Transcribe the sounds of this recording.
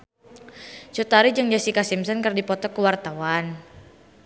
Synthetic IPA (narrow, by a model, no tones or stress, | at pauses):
t͡ʃut̪aɾid͡ʒaŋd͡ʒasikasimsɔnkərdipɔt̪ɔkəwart̪awan